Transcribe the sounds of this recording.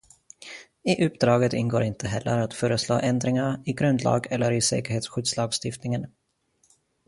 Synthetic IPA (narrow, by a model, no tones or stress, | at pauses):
ɪʔɵp̚ːd̪ɾɑːɡət̪ɪnɡoːɾɪnt̪ʰəɦɛlːə̰ɾat̪fœːɾəslo̰ːʔɛnd̪ɾɪŋaɾɪɡɾɵnd̪lɑ̰ːɡɛlːəɾɪsɛ̰ːkəɾheːt̪sɧʏːd̪slɑːɡst̪ɪft̪nɪŋən